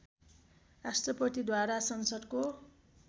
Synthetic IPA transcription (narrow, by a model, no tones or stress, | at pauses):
rasʈrʌpʌt̪id̪waɾasʌnsʌd̪ko